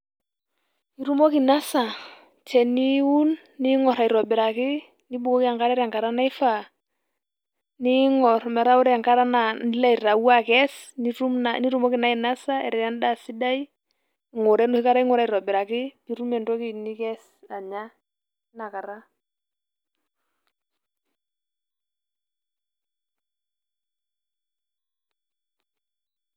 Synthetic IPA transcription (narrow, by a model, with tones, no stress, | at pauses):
i˨ɾu˦mɔ˦ki˨na˦sa˨ | t͡ʃɛ˨ni˦u˦nː | i˦ŋɔ˨ɾa˨i˨ɾɔ˨bɪ˨ɾa˨kɪ˦ | ni˦bu˨kɔ˦ki˦a˨ŋka˦ɾɛ˦ɾa˨ŋka˨ɾa˦na˦ɪ˦fa˨ | ni˦ŋɔ˨ɾmɛ˨ɾa˦ʊ˦ɾɛ˦a˨ŋka˦ɾa˦na˨ni˦la˦i˨ɾa˨wa˦kɛ˦sni˦ɾu˦mani˦ɾu˦mɔ˦kɪ˨na˨˦i˨na˦sa˦ɛ˨ɾɛ˨a˦n˦da˦˨sɪ˦da˦i˦˨ | ŋo˨ɾɛ˦nʊ˦hɪ˦ka˦ɾa˦i˦ŋʊ˦ɾa˦i˨ɾɔ˨bɪ˨ɾa˨kɪ˦ki˦ɾu˦mɛ˨ntɔ˦kɪ˦ni˦kɛ˦s | a˨ɲa˦ | na˨ka˨ɾa˦